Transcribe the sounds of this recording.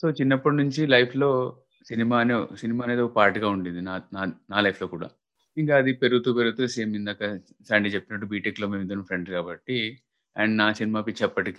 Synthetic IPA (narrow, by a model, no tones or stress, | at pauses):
so̞ːt͡ʃinːɐpːɐʈinuɲt͡ʃilɐjpʰlo̞ː | sinimaːnesinimaːneːd̪okpaːɾʈiɡaːuɳɖind̪inaːnaːnaːlɐjpʰlo̞ːkuːɽa̰ː | iŋkaːɐd̪ipeɾuut̪uːpeɾuɡut̪useːmind̪akːɐ | saːɳɖit͡ʃe̞pːinɐʈ̬ːubiːʈekloːmeːmid̪ɐnɐmpʰɾe̞ɳɖkaːbɐʈːi | ɐ̰ɳɖnaːsinimaːpit͡ʃːɐpːɐʈiki